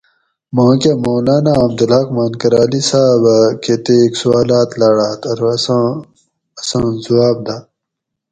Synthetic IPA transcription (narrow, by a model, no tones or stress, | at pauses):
mãːkemoːlaːnaɐmd̪ulaːkmaːnkɐɾaːlisaːbɐket̪eksuwaːlaːt̪laɽaːt̪ɐɾ | ɐsãːzuwaːb̚d̪a